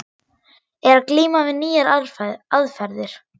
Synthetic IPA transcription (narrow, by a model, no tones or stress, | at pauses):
ɛɾakliːmavɪðniːjaɾaaðfɛɾðɪɾ̥